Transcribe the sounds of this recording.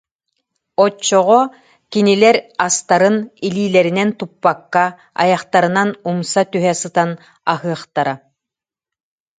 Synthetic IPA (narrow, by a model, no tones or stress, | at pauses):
ɔt͡ʃːɔʁɔ | kinilɛɾast̪aɾɯniliːlɛɾinɛnt̪upːakːa | a̰jaχt̪aɾɯnanumsat̪yɦɛsɯt̪an | a̰ɦɯɐχt̪aɾa